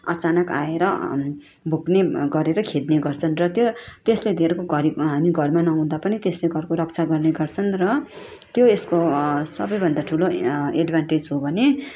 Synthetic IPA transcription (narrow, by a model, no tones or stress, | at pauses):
ʌt͡sanʌka̰eɾʌ | bʱukneɡʌɾeɾʌkʰed̪neɡʌrt͡sʰʌnrʌt̪jot̪esled̪ʱeɾkoɡʌɾibɦamiɡʱʌrmanʌɦũd̪apʌnit̪esleɡʌrkoɾʌkt͡sʰaɡʌrneɡʌrt͡sʰʌnrʌ | t̪joeskosʌbʌjbʱʌnd̪aʈʰuloeɖbʱanʈed͡zɦobʱʌne